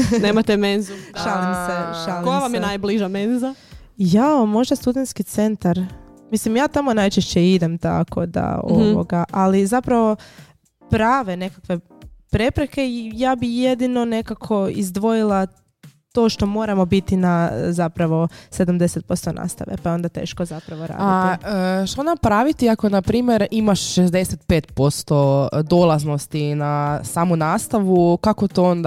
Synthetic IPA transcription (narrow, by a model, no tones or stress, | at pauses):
neːmat̪emenzuʃalimseʃalojaʋamjenajbliʒamenza | jamo̞ʒd̪ast̪ud̪ent̪skit̪se̞nt̪aɾ | mislimjaːt̪amonajt͡ʃeʃt͡ɕeid̪e̞mt̪a̰kʰo̞̰d̪a̰o̰ʋo̰ɡaʔalizapɾaʋo̞ | pɾaːʋe̞ne̞kakʋe̞ | pɾe̞pɾeke̞ijaːbije̞d̪ino̞ne̞kakʰo̞izd̪ʋo̞jilˠa | t̪o̞ːʃt̪o̞mo̞ːɾamo̞bit̪inazapɾaʋo̞se̞d̪amd̪e̞set̪̚po̞st̪o̞nʔa̰ːst̪a̰ʋḛpajeo̞nd̪at̪e̞̰ːʃko̞zapɾaʋoɾa̰ːdait̪iəʃt̪ond̪apɾaʋit̪iako̞napɾiːmjeɾimaʃʃezd̪eset̪pe̞ːt̪po̞st̪o̞d̪olˠazno̞st̪inasaːmunaːst̪aʋukakot̪oond̪